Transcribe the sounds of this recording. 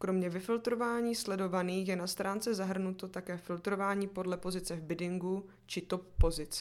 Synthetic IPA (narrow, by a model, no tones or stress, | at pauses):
kɾo̞mɲɛvɪfɪlt̪ɾo̞vaːɲiːslɛdo̞vaniːxjɛnast̪ɾaːnt͡sɛzaɦr̩nut̪o̞t̪akɛːfɪlt̪ɾo̞vaːɲiːpo̞dlɛpo̞zɪt͡sɛvbɪdɪŋɡu | t͡ʃɪt̪o̞p̚ːo̞zɪt͡s